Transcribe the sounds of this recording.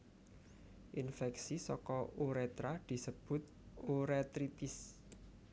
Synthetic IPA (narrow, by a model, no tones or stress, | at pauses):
ʔinfɛksisɔkɔoɾɛt̪ɾad̪̥i̤səb̥ʊ̤t̪̚oɾɛt̪ɾit̪ɪs